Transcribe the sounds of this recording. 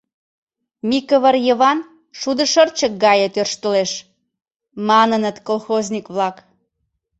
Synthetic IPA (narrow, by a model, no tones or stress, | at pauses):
mikəβərjəβɑn | ʃud̪ə̆ʃərt͡ɕək̚ɡɑjət̪ørʃt̪əleʃ | mɑnənət̪kolxozʲnʲikβlɑk